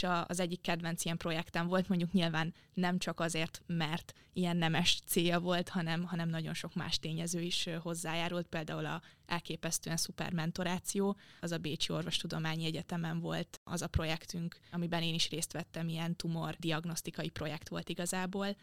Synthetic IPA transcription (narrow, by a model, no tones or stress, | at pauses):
ʃɒɒ̰zɛɟːikːɛd̪vɛnsiɛmpro̞jɛkt̪ɛɱvo̞lt̪mo̞ɲɟukɲilvaːnː | ɛmt͡ʃɒkɒzeːrt̪mɛrt̪ | ijɛnːɛmɛʃt̪seːjɒvo̞lt̪hɒnɛmɦɒnɛmnɒɟo̞nʃo̞kma̰ːʃt̪eːɲɛzøːiʃho̞zːaːjaːɾult̪̚peːld̪aːulɒ̰ɛlkeːpɛst̪øːɛnsupɛ̰rmɛnt̪o̞ɾaːt̪sijoːɒzɒbeːt͡ʃio̞rvo̞ʃt̪ud̪o̞maːɲiɛɟɛt̪ɛmɛɱvo̞̰lt̪ɒ̰zɒpro̞jɛkt̪yŋkɒmibɛneːniʃreːst̪ʋɛt̪ːɛmiɛnt̪umo̞rd̪iɒɡno̞st̪ikɒjipro̞jɛkt̪ʋo̞̰lt̪iɡɒzaːboːl